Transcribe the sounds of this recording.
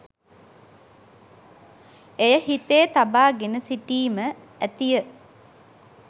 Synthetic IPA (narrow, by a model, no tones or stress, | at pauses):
ejəhit̪eːt̪abaːɡenəsiʈiːmə | æt̪ijə